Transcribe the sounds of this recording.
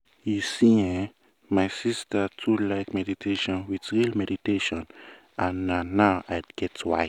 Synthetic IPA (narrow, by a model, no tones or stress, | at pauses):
jisiɛ̃ | majsistətʰulaɪkmɛditʰeʃɔ̃nwiθɹilmɛɾiteʃɔ̃n | ãnaːaʊajdɡ̥ɛtwa̰ɪ